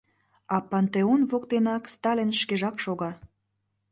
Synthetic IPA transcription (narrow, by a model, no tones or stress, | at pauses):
ɑpɑnt̪eonvokt̪enɑkst̪ɑlʲenʃkeʒɑkʃoɣɑ